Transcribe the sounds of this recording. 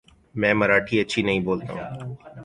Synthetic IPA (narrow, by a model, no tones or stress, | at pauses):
mɛ̃ːmɐɾaːʈʰiɐtːʃʰinɐɦĩboːlt̪a̰ɦũ